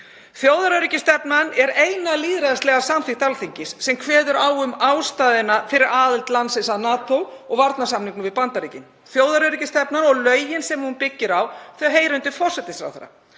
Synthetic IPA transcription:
θjoːwðaɾœɾicɪst̪ɛpnanɛɾejnaliːðɾaðast̪lɛɣasamθɪht̪alθiɲcɪsːɛmkʰvɛːðʏɾaːwʏmaːwst̪aːðɪnafɪɾɪɾaːðɪlt̪lant̪sɛnsaðnaːt̪owɔɣvaɾt̪nasamniŋknʏvɪðpant̪aɾiːcɪn | θjoːwðaɾœɥɾicɪst̪ɛpnanɔɣlœːɥjɪnsɛmhunpɪcːɪɾawθɛaɦeːjɾʏnt̪ɪfɔr̥sɛt̪ɪsfɾa̰wθa̰ɾːa̰

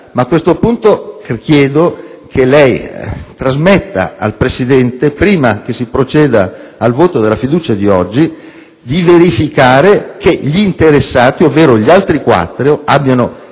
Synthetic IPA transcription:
maːkːwest̪opunt̪okjɛːd̪okʰelɛjt̪ɾazmet̪ːa̰a̰lpɾesid̪ɛnt̪epɾiːmak̟esːipɾot͡ʃɛːd̪aːlvoːt̪od̪elːafid̪uːt͡ʃad̪iɔd͡ʒːi | d̪iveɾifikaːɾekeʎiːnt̪eɾesːaːt̪iovːeːɾoʎialt̪ɾikwa̰t̪ːɾoʔabːjano

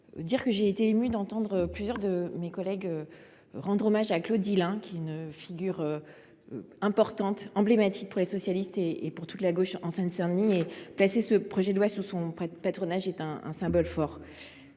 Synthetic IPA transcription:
d̪iʁkəʒeːt̪eːmyd̪ɑ̃t̪ɑ̃d̪ʁøplyzjœʁd̪əmekɔlɛɡø | ʁɑ̃d̪ʁomaʒaklod̪ːilɛ̃kʲiɛynfiɡʲyʁø | ɛ̃pɔʁt̪ɑ̃t̪ɑ̃blemat̪i̥k̚puʁlesɔsjalist̪eːpuʁt̪ut̪laɡoʃɑ̃sɛ̃nsɛ̃nieplasesəpχɔʒɛd̪lwasusɔ̃pat̪χɔnaʒɛt̪ɛ̃ɛ̰̃sɛ̃bɔlfɔʁ

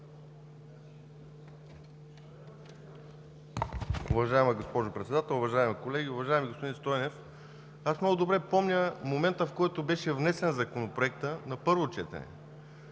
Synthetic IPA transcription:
ʊ̰vɐʒaɛməɡospɔʒʊpɾɛt̪sɛd̪at̪ɛlˠʊvɐʒaɛmikolɛɡʲiʊvɐʒaɛmiɡospod̪inst̪ɔjnɛf | asmnɔɡʊd̪obɾɛpɔmnʲəmomɛnt̪əfkɔjt̪obɛʃɛvnɛsɛnzɐkonopɾoɛk̚t̪ənɐpɤɾvot͡ʃɛt̪ɛ̰nɛ̰

